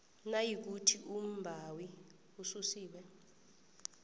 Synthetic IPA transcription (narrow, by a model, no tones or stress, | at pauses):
najik̬utʰiʔum̩bʱawi | ususiːɓɛ